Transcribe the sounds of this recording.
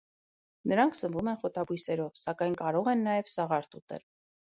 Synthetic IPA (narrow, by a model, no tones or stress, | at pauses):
nəɾɑŋkʰsənvumɛnχɔt̪ɑbujsɛɾɔvsɑkɑjnkɑɾɔʁɛnːɑjɛvsɑʁɑɾt̪ut̪ɛ̰l